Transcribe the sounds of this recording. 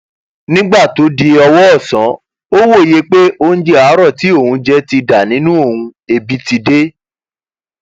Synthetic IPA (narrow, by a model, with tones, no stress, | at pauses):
nĩ˦ɡ͡ba˦˨to˨˦di˧ɔ˧wɔ˦ɔ˦˨sã˨˦ | o˦wo˦˨je˦k͡pe˦ʔo˦ñ̩˦d͡ʒe˦a˨˦ɾɔ˦˨ti˨˦o˦˨hũ˨˧˦d͡ʒɛ˧ti˧da˨nĩ˨˦nũ˦o˦˨hũ˧e˧bi˦ti˧de˦